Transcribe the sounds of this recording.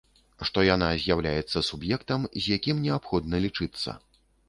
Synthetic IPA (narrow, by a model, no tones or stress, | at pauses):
ʂt̪ɔjanazʲjawlʲajɛt̪sːɐsubjɛkt̪ɐmzʲjakʲimnʲɛapxɔd̪nɐlʲit͡ʂɨt̪sːɐ̰